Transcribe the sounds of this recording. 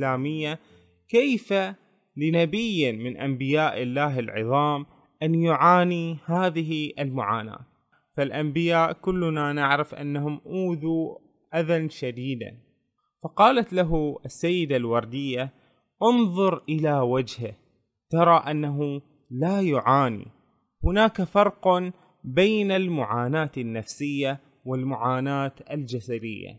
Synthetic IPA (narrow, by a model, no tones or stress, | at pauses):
laːmɪjːa | kejfa | lɪnabɪjːmɪnʔambɪjaːʔɪlːaːɦɪlʕɨ̰ðˤɑːm | ʔanjʊʕaːnihaːðɪɦiʔɪlmʊʕa̰ːna̰ːt̪ | falʔambɪjaːʔkʊlːnanɪʕɾɪfʔa̰nːaɦʊmʔuːðu | ʔaðanʃad̪iːd̪a̰n | fɑqɑːlat̪laɦuasːajːɪd̪alwɑɾˤd̪ɪjːa | ʔʊnðˤʊɾʔɪlawad͡ʒhɪ | t̪ɑɾˤɑːʔanːaɦu | laːjʊʕaːnḭ | hʊnaːkafɑɾˤq | beːnalmʊʕaːnaːt̪anːafsɪjːa | wɪlmʊʕaːnaːt̪ʔald͡ʒasad̪ɪjːa̰